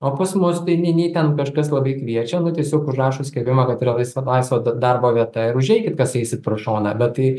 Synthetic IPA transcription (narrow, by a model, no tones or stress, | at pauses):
oːpɐsmʊst̪ɐɪnʲɛnʲɛɪt̪ʲɛnkɐʃkɐslˠɐbɐɪkʋʲiɛt͡ʃʲɛnʊt̪ʲiɛsʲoːkʊʒrɑːʃoːsʲkʲɛbʲɪmɐkɐt̪iɾɐlˠɐɪsɐlˠɐɪsʋoːɐd̪ɐrboːʋʲiɛt̪ɐɪɾʊʒʲɛɪkʲɪt̪kɐsɛɪsʲɪt̪̚pɾoːʃoːnɐbʲɛtt̪ɐɪ